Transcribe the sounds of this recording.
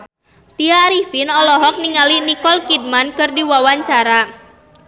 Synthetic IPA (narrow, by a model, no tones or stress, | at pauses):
t̪iaɾifinɔlɔɦɔk̚niŋalinikɔlkid̚mankɨrdiwawaɲt͡ʃaɾa